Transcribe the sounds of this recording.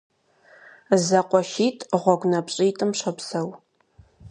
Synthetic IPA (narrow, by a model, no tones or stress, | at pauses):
zɐqʷɔʃiːtʼʁʷɔɡʷnɐpɕʼiːtʼɨmɕɐpsɐw